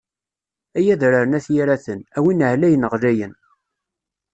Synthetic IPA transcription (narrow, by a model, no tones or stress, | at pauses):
æjæðɾaɾənæθjiɾæθənæwinʕlæjənəʁlæjən